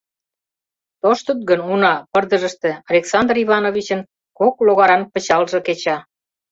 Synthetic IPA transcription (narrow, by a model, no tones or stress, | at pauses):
t̪oʃt̪ət̪̚ɡənunɑpərd̪ə̆ʒəʃt̪ĕɑlʲeksɑnd̪riβɑnoβit͡ɕə̆n | kokloɣɑɾɑnpə̆t͡ɕɑlʒĕket͡ɕɑ